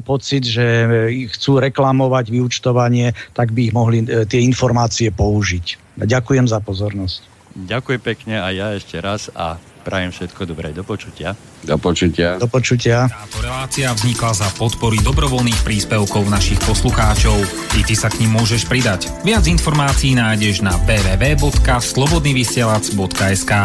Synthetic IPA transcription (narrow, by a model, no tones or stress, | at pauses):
mpɔt͡sid̪ʒɛxt͡suːɾɛklamɔʋaɟʋiut͡ʃt̪ɔʋaɲɪɛt̪aɡbiːɣmɔɦlit̪ɪɛinfɔɾmaːt͡siɛpɔuʒic | ɟakujɛmzapɔzɔɾnɔsc | ɟakujɛmpɛkɲɛajaɛʃcɛɾasa̰ | pɾajɛmfʃɛt̪kɔd̪ɔbɾɛ̰d̪ɔpɔt͡ʃu̥cɪa | d̪ɔpɔt͡ʃucɪad̪ɔpɔt͡ʃucɪat̪aːt̪ɔɾɛlaːt͡siavzɲiklazapɔt̪pɔɾid̪ɔbɾɔʋɔlniːxpɾiːspɛʊkɔʊnaʃixpɔsluxaːt͡ʃɔʊ | it̪isakɲimːʊɔʒɛʃpɾid̪ac | ʋɪad͡zinfɔɾmaːt͡siːnaːjɟɛʒnabɛːʋɛːʋɛːbɔt̪kaslɔbɔd̪niːʋisɪɛlat͡sbɔt̪kaɛskaː